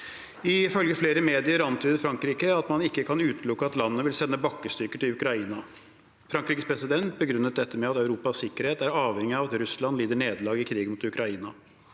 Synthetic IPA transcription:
ɪfœlɡəfleːɾəmeːd̪ɪəɾɑnt̪ʰyːd̪əɾfɾɑŋkɾiːkəɑt̪mɑnɪkːəkʰɑnʉːt̪lʊkːəɑt̪lɑnːəʋɪlsɛnːəbɑkːəst̪ʏkəʈ̪ɪlʉkɾɑiːnɑ | fɾɑŋkɾiːkəspʰɾɛsɪd̪ɛnt̪̚bəɡɾʉnːət̪̚d̪ɛt̪ːəmɛɑt̪œʉɾuːpɑsːɪkːəɾheːt̪æɾɑːʋhɛŋːɪɑʋɑt̪ɾʉslɑnliːd̪əɳeːd̪lɑːɡɪkʰɾiːɡənmʊt̪ʉkɾɑiːnɑ

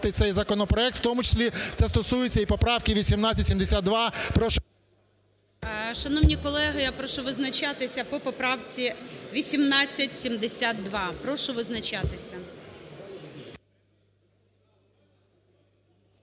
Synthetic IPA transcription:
t̪ɪt̪sɛjzɐkɔnɔpɾɔɛk̚t̪wt̪ɔmʊt͡ʃe̥sʲlʲit̪sɛst̪ɔsujɪt͡sʲːɐipɔpɾɑwkɪʋʲisʲimnɑt͡sʲːɐtʲsʲimd̪esʲad̪ʋɑpɾɔʃ | ʃɐnɔwnʲikɔlˠɛɦɪjapɾɔʃʊʋɪznɐt͡ʃɑt̪ɪsʲɐpɔpɔpɾɑwt͡sʲiʋʲisʲimnɑt͡sʲːɐtʲsʲimd̪esʲad̪d̪ʋɑpɾɔʃʊʋɪznɐt͡ʃɑt̪ɪsʲɐ

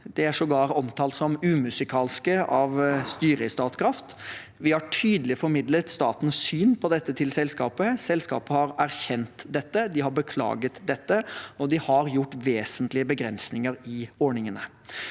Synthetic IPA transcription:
d̪ɛæʂɔɡɑːɾɔmt̪ʰɑːlt̪sɔmʉːmʉsɪkʰɑːlskəɑʋst̪yːɾəɪst̪ɑːt̪kʰɾɑft̪ʋɪhɑʈʰyːd̪əlɪfɔɾmɪd̪lət̪st̪ɑːt̪n̩ssyːnpʰɔd̪ɛt̪ːət̪ʰɪlsɛlskɑːpəsɛlskɑ̰ːpəhɑɾæɾçɛnt̪d̪ɛt̪ːəd̪ɪhɑɾbəkʰlɑ̰ːɡət̪d̪ɛt̪ːəɔd̪ɪhɑɾjʊʈːʋeːsənt̪lɪəbəɡɾɛnsnɪŋəɾɪɔɳɪŋənə

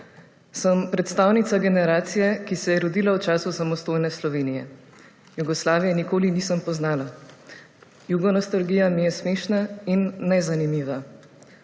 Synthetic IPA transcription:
səmpɾɛt̪st̪aːwnit̪saɡɛnɛɾaːt̪sijɛkisɛjɛɾɔd̪iːlawt͡ʃaːsusamɔst̪oːjnɛslɔʋeːnijɛ | juɡɔslaːʋijɛnikoːliniːsəmpɔznaːla | juɡɔnɔst̪alɡiːjamijɛsmeːʃnainːɛzanimiːʋa

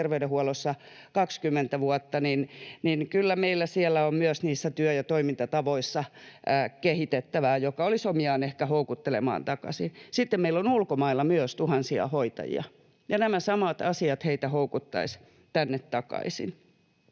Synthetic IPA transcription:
erʋeyɾehuɔlosːɑ | kɑkskymːent̪æʋuɔt̪ːɑninninkylːæmeilːæsiɛlːæommyøsniːsːæt̪yøjɑt̪oimint̪ɑt̪ɑʋoisːɑ | kehit̪et̪ːæʋæːjokɑolisomiɑːnehkæhoukut̪ːelḛmɑ̰ːnt̪ɑkɑ̰sinsit̪ːemmeilonulkomɑilːɑmyøst̪uhɑnsiɑ̰hoit̪ɑ̰jḭɑ̰ | jɑnæmæsɑmɑt̪ɑsiɑt̪heit̪æhoukut̪ːɑ̰is | t̪ænːet̪t̪ɑkɑ̰isḭn

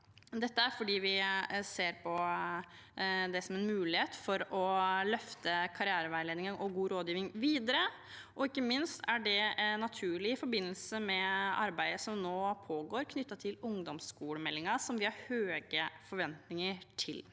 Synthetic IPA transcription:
d̪ɛt̪ːəæɾfɔɖiːʋɪseːɾpʰɔ | d̪ɛsɔmɛnmʉːlɪheːt̪fɔɾɔlœft̪əkʰɑɾɪæːɾəʋæɪleːd̪ɪŋənʔɔɡuːɾoːd̪jiːʋɪŋʋiːd̪əɾə | ʔɔɪkːəmɪnst̪æɖɛnɑt̪ʰʉːɭɪɪfɔɾbɪnːəlsəmɛɑɾbæɪd̪əsɔmnoːpʰoːɡoːɾkʰnʏt̪ːɑt̪ʰɪlʊŋd̪ɔmskuːɽəmɛlːɪŋɑsɔmʋɪhɑɾhøːɡəfɔɾʋɛnt̪nɪŋəʈʰɪl

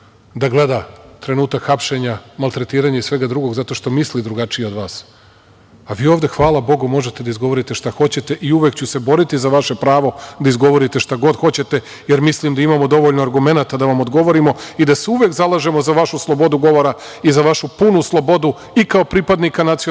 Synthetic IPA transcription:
d̪aɡle̞d̪at̪ɾe̞nuːt̪akxapʃe̞ɲamalˠt̪ɾe̞t̪iːɾaɲaisʋe̞ɡad̪ɾuɡo̞ɡzat̪o̞ʃt̪o̞mislid̪ɾuɡat͡ʃijeo̞d̪ʋaːs | aʋiːo̞ːʋd̪e̞xʋaːlˠabo̞ɡumo̞ʒe̞t̪e̞d̪aizɡo̞ʋo̞ɾit̪e̞ʃt̪axo̞t͡ɕe̞t̪e̞ʔiuʋekt͡ɕuse̞bo̞ɾit̪izaʋaʃe̞pɾaːʋo̞d̪aizɡo̞ʋo̞ɾit̪e̞ʃt̪aɡo̞d̪xo̞t͡ɕe̞t̪e̞ | jeɾmislimd̪aimamo̞d̪o̞ʋo̞ʎnoaɾɡume̞nat̪ad̪aʋamod̪ɡo̞ʋo̞ɾimo̞id̪aseuʋe̞kzalˠaʒe̞mo̞zaʋaʃuslˠo̞bo̞d̪uɡo̞ʋo̞ɾa | izaʋaʃupunuslˠo̞bo̞d̪u | ikao̞pɾipad̪nikanat̪sio

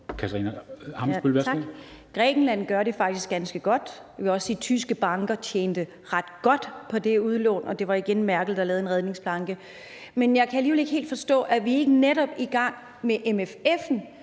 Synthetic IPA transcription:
kʰæt͡sʰɐʁḭːnɐhɑ̈msb̥ylʋæ̥ɡ̥ʁɛ̰ːɡ̥n̩læn̰ɡ̥ɶɐɾe̝fɑ̈ɡ̥̚d̥isɡ̥ænsɡ̥əɡ̥ɒ̽d̥ | iɒ̽sd̥it͡sʰysɡ̥əb̥ɑ̈ŋɡ̥ɐt͡ɕʰjeːnd̥ə | ʁɑ̈d̥ɡ̥ɒ̽d̥pʰɒ̽d̥e̝uð̞ˠlɔ̰ːnɒ̽d̥e̝ʋɑ̈iɡ̥enmæɐɡ̥l̩ˠd̥ɑlɛːðˠenʁɛð̞ˠne̝ŋsb̥lɑ̈ŋɡ̥ə | menjɑ̈ɪkʰææliːʋele̝ɡ̥he̝̰ːld̥fɒ̽sd̥ɔ̰̽ːʔæʋie̝ɡ̥əneɾɒ̽b̥iɡ̥ɑ̈ŋ̰ | meʔemefefn̩

